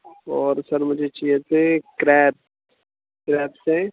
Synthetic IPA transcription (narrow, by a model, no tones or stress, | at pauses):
ɔːɾsəɾmʊd͡ʒʱet͡ʃijet̪ʰekɾɛːb̚ | kɾɛːbsẽ